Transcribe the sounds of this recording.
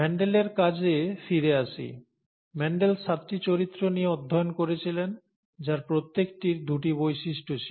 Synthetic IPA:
mɛɳɖeleɾkad͡ʑʱefiɾeaʃʰḭ | mɛɳɖelʃat̪ːit͡ɕoɾit̪ːɾonieɔd̪ʱːɔjonkoɾet͡ɕʰilen | d͡ʑaɾpɾot̪ːekʈiɾd̪uʈibojʃiʃʈot͡ɕʰi

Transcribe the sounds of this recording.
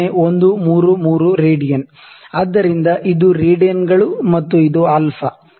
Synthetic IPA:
eond̪umuːɾumuːɾuɾeːɖijɐn | ɐd̪ːɐɾind̪ɐʔid̪uɾeːɖijɐnɡɐɭumɐt̪ːuid̪uɐlfʰɐ

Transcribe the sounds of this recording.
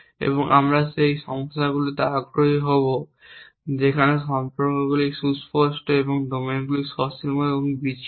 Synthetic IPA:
ḛβɔŋʔa̰mɹasejʃɔŋst̪ʰaɡuloteaɡɾoɦiɦobo | d͡ʑekʰanesɔmpɔɾkɔɡulisusposʈebɔŋdominɡulisɔsimɔebɔŋbit͡ʃ

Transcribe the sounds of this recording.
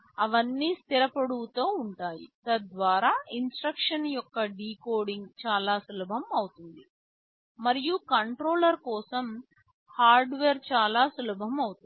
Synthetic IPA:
ɐʋɐnːiːst̪iɾɐpɐɽut̪oːuɳʈaːjḭt̪ɐd̪ʋaːɾaːinsʈɾɐkʂɐnjɔkːɐɖiːkoːɖiŋɡt͡ʃaːlaːsulɐbʱɐmɐwut̪und̪i | mɐɾijukɐɳʈɾoːlɐɾkɔːsɐm | haːɾɖʋeːɾt͡ʃaːlaːsulɐbʱɐmɐwut̪

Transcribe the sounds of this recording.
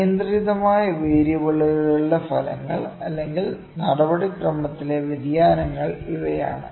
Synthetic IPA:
ɐnd̪riðɐmaːjɐʋeːɾjɐbɐɭːuɣɐɭuɭːɐfɐlɐ̰ŋːɐ̰ɭɐlːe̞ŋɡil | nɐɽɐbɐɽikrɐmːɐt̪ːile̞ʋid̪jaːnɐŋːɐɭiʋɐja̰ːɳɨ̰

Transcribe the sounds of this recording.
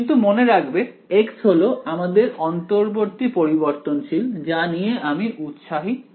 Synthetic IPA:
int̪umoneɾakbe | eksɦoloamad̪eɾɔnt̪oɾboɾt̪ipoɾiboɾt̪onʃild͡ʑanijeʔamiʔut̪ʃaɦi

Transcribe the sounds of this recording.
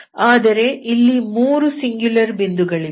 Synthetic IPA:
aːd̪ɐɾe̞ʔilːimuːɾusiŋɡjulɐɾbind̪uɡɐɭi

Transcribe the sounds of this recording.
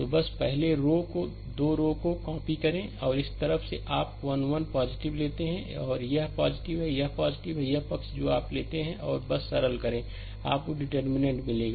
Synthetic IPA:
t̪oːbɐspɛɦleɾoːko | d̪oːɾoːkokãːpikɐɾẽɔːɾɪst̪ɐɾəfseʔaːpʋɐnwɐnpaːzɪʈɪʋleːt̪eɦɛ̃ɔːɾjɐɦpaːzɪʈɪʋɦɛjɐɦpaːzɪʈɪʋɦɛjɐɦpɐksd͡ʒoːaːpleːt̪eɦɛ̃ʔɔ̰ːɾbɐsːɐɾəlkɐɾẽː | a̰ːp̚koɖɪʈəɾmɪnẽɳʈmɪleːɡaː

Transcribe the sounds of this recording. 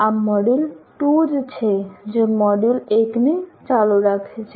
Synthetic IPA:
amɔɖulʈud͡ʒt͡ʃʰed͡ʒemɔɖuleknet͡ʃaluɾakʰet͡ʃʰe

